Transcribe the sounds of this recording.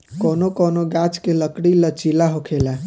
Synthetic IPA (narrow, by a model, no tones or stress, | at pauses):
konokonoɡat͡ʃkeləkɽilət͡ʃilaɦokʰela